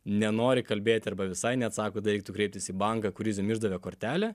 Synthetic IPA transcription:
nʲɛnoːɾʲɪkɐlʲbʲeːt̪ʲɪɐrbɐʋʲɪsɐɪnʲɛt̪sɑːkoːd̪ɐɾʲɛɪk̚t̪ukɾʲɛɪp̚t̪ʲɪsiːbɐŋkɑkʊɾʲizʲʊmʲɪʒd̪ɐʋʲɛːkoːɾʲt̪ʲæːlʲɛ

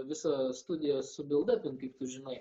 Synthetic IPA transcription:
ʋʲɪsɐst̪ʊd̪ʲɪjɛsʊbʲɪlˠd̪ɐpʲɪnkɐɪp̚t̪ʊʒʲɪnɐɪ

